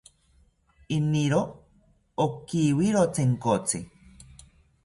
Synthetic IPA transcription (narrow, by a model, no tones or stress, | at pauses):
iniɾo | okiwiɾot͡seŋkot͡si